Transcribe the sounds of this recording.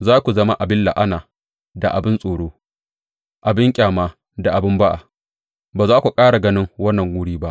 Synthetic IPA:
zaː˦kʷu˨zɐ˦ma˦ʔa˨bɪ˦lla̰˨ʔa˦naː˨ | da˨ʔa˨bɪ˦nsʼoː˨ɽoː˦ | ʔa˨bɪ˦ŋkʲʼaː˨maː˦ | da˨ʔa˨bɪ˦mba˦ʔa̰˨ | baː˨zaː˦kʷu˨kʼaː˦ɽa˨ɡɐ˦nɪ˦ŋwɐ˦nːɐ˨ŋɡuː˦ɽiː˦ba˦ʔ

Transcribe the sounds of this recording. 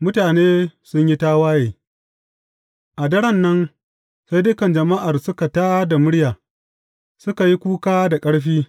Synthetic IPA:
mʊ˦taː˨neː˦sʊ˦ɲji˦taː˦waː˦jeː˨ | ʔa˨dɐ˦ɽɐ˦˨nːɐ˦n | sa˦jdʊ˦kɐ˨nd͡ʒɐ˨ma˦ʔa˨rsʊ˦ka˨taː˦da˨mʊ˦ɽjaː˨ | sʊ˦ka˨ji˦kʷuː˦kaː˦da˨kʼɐ˦ɽɸiː˦

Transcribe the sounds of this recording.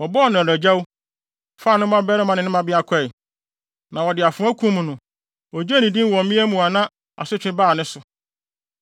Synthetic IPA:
wɔ˨bɔ˦˨nã˨ɾæ˨d͡ʑa˦w | faː˦˨nʊ̃˦mã˦bɛ˦nɪ̃˦mã˨nɪ̃˨nɪ̃˦mã˨bɪ˦a˦kʰɛ˦˨ | nã˨wɔ˨dɪ˨a˨fʊ̃˨˦æ˦kʰũ˦m̃˨nʊ̃˨ | wɔ˨d͡ʑe˦nĩ˨dĩ˦n˦wɔ̃˨mmĩ˦æ˦mũ˨a˨nã˦ | a̰˨sʊ˦t͡ɕᶣɪ̃˦baː˦˨nʊ̃˦sʊ˨

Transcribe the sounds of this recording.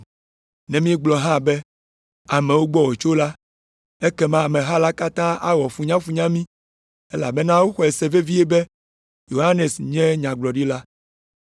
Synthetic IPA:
nɛ̃˨mĩ˦ɛ˦ɡ͡blɔ˨ɦã˦˨bɛ˦ | a˨mɛ̃˨wo˦ɡ͡bɔ˦wɔ˨t͡ʃo˦la˦ | e˦kɛ˦mã˦˨mɛ̃˨ɦa˦la˦ka˦t̪ã˦a˦wɔ˨fu˦ɲã˦fu˨ɲã˦mĩ˦ | e˦la̰˨bɛ˦nã˦wo˦xɔ˨ɛ˨sɛ˨ve˦vi˦ɛ˦bɛ˦ | jo˨ɦa˦ne˨sɲɛ̃˦ɲã˨ɡ͡blɔ˨ɖi˦la˦

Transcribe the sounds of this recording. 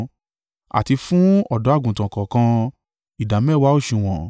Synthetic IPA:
a̰˨ti˧fũ˦ɔ˦˨dɔ˨˦a˦˨ɡũ˨tã˨kɔ̃˨kã˧ | i˨da˨m˦ɛ˦˨wa˦o˦˨ʃĩ˧w̃ɔ̃˨

